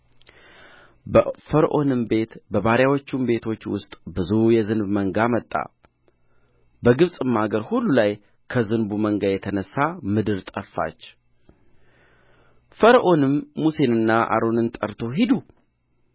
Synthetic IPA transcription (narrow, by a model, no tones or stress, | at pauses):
bfəɾʔo̞nɨmbe̞t̪bəβaɾjawot͡ʃːumbe̞t̪ʰo̞t͡ʃːwʊ̰st̪ʼbɨzujɛzɨnbməŋɡamət̪ʼːa̰ | bəɡɨβsʼɨmːaɡəɾhulːulaj | kʰəzɨnbuməŋɡajɛt̪ʰənəsːamɨd̪ɨɾt̪ʼəfːa̰t͡ʃː | fəɾʔo̞nɨmːuse̞nɨnːaʔa̰ɾo̞nɨnt̪ʼəɾt̪ʰo̞ɦid̪u